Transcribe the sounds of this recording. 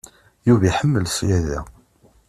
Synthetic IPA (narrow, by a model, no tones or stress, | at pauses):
juviħəmːəlsjæðæ̰